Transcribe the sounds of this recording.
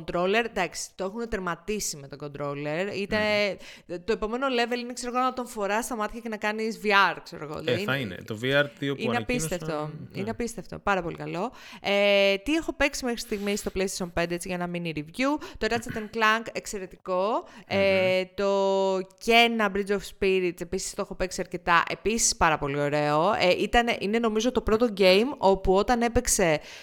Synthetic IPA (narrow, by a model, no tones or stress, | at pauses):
nt̪ɾole̞ɾd̪ɐksi̥t̪oexunt̪eɾmɐt̪isime̞t̪oɡo̞nd̪ɾo̞leɾit̪e | t̪o̞e̞po̞me̞no̞le̞ve̞linekse̞ɾo̞ɣoɐnɐt̪o̞ɱfo̞ɾɐst̪ɐmɐt̪içecenɐkɐnizviɐɾkse̞ɾo̞̰ɣo̞̰inɐinḛt̪oviɐɾt̪ioieɐpist̪eft̪oḭneɐpist̪e̞ft̪o̞̰pɐɾɐpo̞lḭkɐlo̞ | et̪ie̞xo̞pe̞ksime̞xɾi̥st̪iɣmist̪o̞ple̞jst̪ɐ̥ʃo̞npe̞nd̪eet͡siʝɐnɐminiɾivʝut̪oɾɐt͡sɐt̪eŋklɐŋkekse̞ɾe̞t̪iko̞et̪o̞ce̞nɐbɾid͡zofspiɾit̪e̞pisist̪oexo̞peksiɐɾce̞t̪ɐʔe̞̰pisi̥spɐɾɐpo̞lio̞ɾe̞o̞eʔit̪ɐneʔine̞no̞mizo̞t̪o̞pɾo̞t̪o̞ɟe̞jmo̞puo̞t̪ɐne̞pekse̞